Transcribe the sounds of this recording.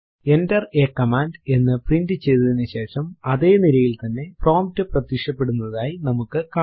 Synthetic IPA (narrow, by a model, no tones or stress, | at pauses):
e̞ndɐreːkːɐmaːnde̞nːɨprindɨt͡ɕe̞jðɐðinːɨɕe̞ːʂɐmɐðe̞ːniɾɐjilt̪ɐnːe̞pro̞ːmtːɨprɐt̪ːikʂɐpːe̞ɽunːɐðaːjinɐmukːɨka